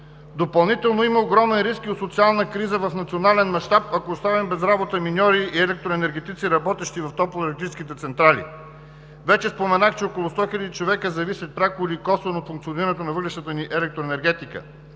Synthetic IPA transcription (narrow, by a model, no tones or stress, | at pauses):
d̪opɐlˠnit̪ɛlˠnoiməoɡɾɔmɛnɾiskiot̪sot̪sialˠnəkɾizəvɐfnɐt̪sionalɛnmɐʃt̪apɐkoːst̪avimbɛzɾabot̪əminʲɔɾiʔːɛlɛk̚t̪ɾoɛnɛɾɡʲɛt̪it̪siɾɐbɔt̪ɛʃt̪ivɐft̪ɔplˠɛlɛk̚t̪ɾit͡ʃskit̪ɛt̪sɛnt̪ɾalḭ | vɛt͡ʃɛspomɛnaxt͡ʃɛɔkolˠost̪ɔxilʲɐd̪it͡ʃovɛkəzɐvisʲət̪̚pɾʲakolikɔsnot̪fuŋkt̪sioniɾɐnɛt̪onɐvɤd̪lɾɛʃt̪ət̪əniʔɛlɛk̚t̪ɾoɛnɛɾɡɛt̪ikə̰